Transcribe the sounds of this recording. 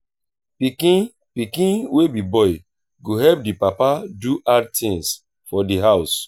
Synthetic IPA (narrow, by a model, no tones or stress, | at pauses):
pikĩn | pikĩnwebibɔɪ | ɡoɦɛp̚dipapaduʔadtʰĩŋs | fɔdiɦaʊs